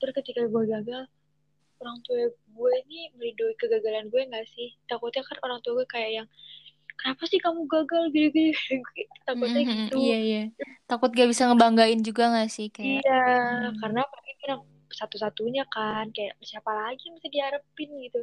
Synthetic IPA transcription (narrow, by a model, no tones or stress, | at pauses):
t̪əɾʊskət̪ikaɡuɛɡaɡal | oɾaŋt̪uaɡuɛnɪməlidoikəɡaɡalanɡuɛŋɡaʔsɪht̪akʊt̪ɲakanoɾaŋt̪uaɡuɛkajaʔjaŋ | kənapasɪhkamuɡaɡalɡit̪uɡuɛɡut̪akʊt̪ɲait̪uijaijat̪akʊt̪̚ɡuabisaŋəbaŋɡaɪnd͡ʒuɡaŋasɪhkajaakaɾənapakikinaŋ | sat̪usat̪uɲakankajaʔsiapalaɡimist̪adiaɾəpɪnɡit̪u